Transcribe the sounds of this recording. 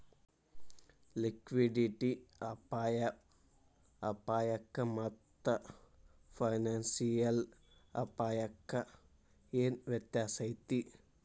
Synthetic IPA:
likʋiɖiʈiɐpaːjɐ | ɐpaːjɐkːɐmɐt̪ːɐ | pʰɐjnaːnsijɐlɐ̰paːjɐkːɐ | eːnʋjɐt̪jaːsɐjt̪i

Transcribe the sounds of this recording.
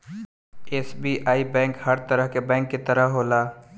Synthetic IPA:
eːsbiːʔaːibɛ̃ːŋkhəɾt̪əɾəɦkebɛ̃ːŋkːit̪əɾəɦɦoːlaː

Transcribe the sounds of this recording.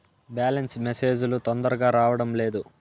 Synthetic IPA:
bjaːlensmeseːd͡ʒulut̪ond̪ɐɾɐɡaːɾaːʋɐɽɐmle̞ːd̪u

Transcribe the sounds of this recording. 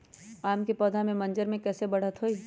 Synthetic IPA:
aːmkipɔːd̪ʱamẽmɐ̃nd͡ʒəɾmẽkɛːsebɐɽ̤ət̪ɦoːi

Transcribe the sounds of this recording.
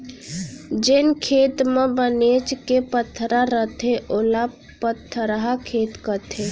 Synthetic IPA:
d͡ʒɪnkʰeːt̪mẽbəneːt͡ʃkepət̪ʰːɾaɾət̪ʰeʔola | pət̪ʰːəɾaɦakʰeːt̪kət̪ʰe

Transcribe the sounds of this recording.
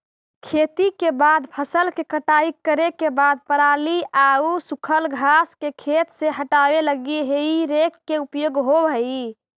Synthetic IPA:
kʰet̪ikebad̪pʰəsəlkekəʈaikːəɾekebad̪̚pəɾaliʔausukʰəlɡʱaskekʰet̪seɦəʈabeləɡeɦeiɾekːeupjoɡɦobʱəi

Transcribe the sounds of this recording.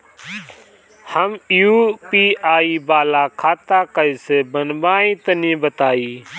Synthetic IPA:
həmɪɦuːpiːʔaːiːbaːlaːkʰaːt̪aːkəiːseːbənbaːĩːt̪ənĩːbət̪aːiː

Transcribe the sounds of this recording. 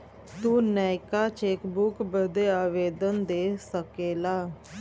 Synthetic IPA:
t̪uːnɛːɪkaːt͡ʃeːkbʊkbəd̪eːaːʋeːd̪ənd̪eːsəkeːlaː

